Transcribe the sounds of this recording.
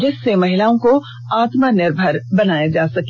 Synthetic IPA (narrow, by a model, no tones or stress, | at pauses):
d͡ʒɪsːemɐɦɪlaːõko | aːt̪manɪɾbʱəɾbɐnaːjad͡ʒaːsɐk